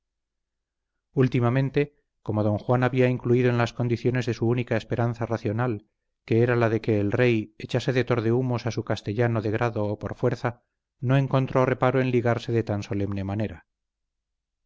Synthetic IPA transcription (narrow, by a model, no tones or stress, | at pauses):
ult̪imamẽ̞nt̪e̞ | ko̞mo̞ðo̞ŋxwanaβiaiŋkluiðo̞e̞nlasko̞nd̪iθjo̞ne̞zðe̞suunikae̞spe̞ɾʔanθaraθjo̞nal | ke̞eɾalaðe̞ke̞ːlre̞jet͡ʃase̞ðe̞t̪o̞ɾðe̞umo̞sasukast̪e̞ʎano̞ðe̞ɣ̞ɾaðo̞ːpo̞̰ɾfwe̞ɾθa | no̞e̞ŋko̞nt̪ɾo̞re̞paɾoe̞nliɣaɾse̞ðe̞t̪anso̞le̞mne̞mane̞ɾa